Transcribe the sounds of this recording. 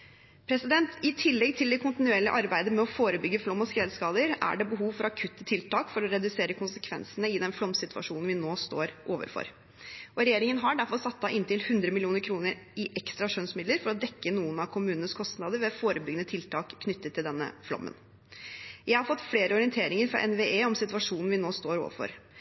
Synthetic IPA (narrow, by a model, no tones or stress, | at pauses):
pʰɾɛsɪd̪ɛnt̪ɪt̪ʰɪlːɛɡ̚t̪ʰɪld̪ɛkʰʊnt̪ɪnʉeːɭɪʔɑɾbæɪd̪əmɛɔfoːɾəbʏɡːəflɔmːɔskɾɛlskɑːd̪əɾæ̰ɖɛbəɦuːʋfɔɾɑkʰʉt̪ːət̪ʰɪlt̪ɑːkfɔɾɔɾɛd̪ʉseːɾəkʰʊnsəkʰʋɛ̰nsənəɪd̪ɛnflɔmsɪt̪ʰʉɑ̰ʂuːnn̩ʋɪnoːst̪o̰ːɾʔoːʋə̰ɾfɔ̰ɾ | ʔɔɾɛjeːɾɪŋənɦɑɖæɾfɔɾsɑt̪ːɑʔɪnt̪ɪlhʉnd̪ɾəmɪlɪuːnəɾkʰɾuːnəɾɪʔɛkst̪ɾɑʂøːnsmɪd̪ləɾfɔɾɔd̪ɛkːənuːənɑʋkʰʊmʉːnənəskʰɔst̪nɑːd̪əɾʋɛfoːɾəbʏɡənət̪ʰɪlt̪ʰɑːkʰːnʏt̪ːət̪ʰːɪld̪ɛnːə̰flɔ̰mːə̰n | jæɪhɑɾfɔt̪ːfleːɾəɔɾɪɛnt̪ʰeːɾɪŋəɾfɾɑ̰ʔɛnʋeeːɔmsɪt̪ʋɑʂuːnn̩ʋɪnoːst̪oːɾo̰ːʋə̰ɾfɔ̰ɾ